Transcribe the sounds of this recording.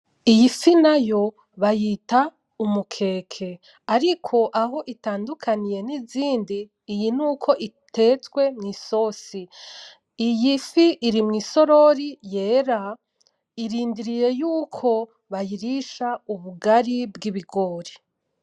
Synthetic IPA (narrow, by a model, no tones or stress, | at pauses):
ijifinajo̞ | βajita | umukʰe̞ːkʰe̞ | aɾikʰo̞ʔaɦo̞ʔitaːndukʰanije̞niziːndiː | jinuːkʰo̞ʔitʰe̞ːt͡sɡwe̞mŋiːso̞ːsi | ijifiʔːɾimŋiːso̞ɾo̞ɾije̞ːɾa | iɾiːndiɾije̞juːkʰo̞ | βajiɾiʃauβuɡaɾibɡiβiɡoːɾi